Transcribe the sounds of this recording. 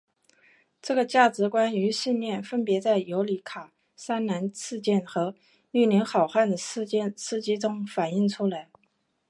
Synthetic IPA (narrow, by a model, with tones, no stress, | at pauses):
ʈ͡ʂɤ˥˩ɡə˩t͡ɕja˥˩ʈ͡ʂɻ̩˧˥kwa˥ny˧˥ɕi˥˧nnjɛ˥˩nfə˥npjɛ˧˥t͡sa˥˩ɪjo˧˥ʊli˧˨˥kʰa˨˩ | sa˥nna˧˥nt͡sʰɹ̩˥˧t͡ɕjɛ˥˩nxɤ˧˥ | y˥˩li˧˥nxɑ˨˩ʊxwa˥˩nd̪ə˩˥ɛ˥˧sɹ̩˥t͡ɕi˥ʈ͡ʂʊ˥ŋfa˨˩ni˥˩ŋʈ͡ʂʰu˥la˧˥ɪ